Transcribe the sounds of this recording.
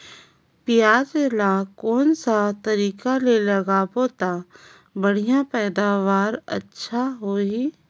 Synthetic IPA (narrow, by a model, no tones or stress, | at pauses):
pɪjaːd͡ʒelakɔːnsat̪əɾiːkalelɐɡapoːt̪a | bəɽ̤ijãpɛːd̪aːʋaːɾə̰tːʃʰaɦoɦiː